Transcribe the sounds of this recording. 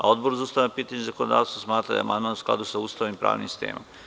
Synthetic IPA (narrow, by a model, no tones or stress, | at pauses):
ao̞d̪boɾuzauːst̪aʋnapiːt̪aɲezakonod̪a̰ːʋt̪asmaːt̪ɾa̰d̪a̰a̰ma̰nd̪maːnusklˠa̰d̪usaust̪aːʋimpɾa̰ːʋnimsi̥st̪ḛːmo̰m